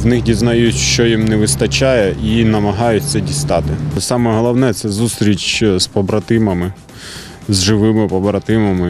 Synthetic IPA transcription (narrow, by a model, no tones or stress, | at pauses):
wnɪxdʲiznɐjutʲʃt͡ʃɔjimnɛʋɪst̪ɐt͡ʃɑjɛʔinɐmɐɦɑjʊtʲt̪sɛdʲist̪ɑt̪ɪsɑmɛɦɔlˠɐwnɛt̪sɛzust̪ɾʲit͡ʃspɔbɾɐt̪ɪmɐmɪ | zʒɪʋɪmɪpɔbɾɐt̪ɪmɐmɪ